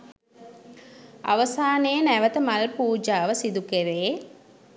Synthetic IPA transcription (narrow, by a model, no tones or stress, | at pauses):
a̰ʋəsaːneːnæʋət̪əmalpuːd͡ʒaːʋəsid̪ukeɾeː